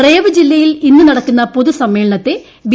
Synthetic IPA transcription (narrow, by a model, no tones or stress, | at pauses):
reːʋɨd͡ʑilːɐjilinːunɐɽɐkːunːɐpoðusɐmːeːɭɐɳɐt̪ːe | bi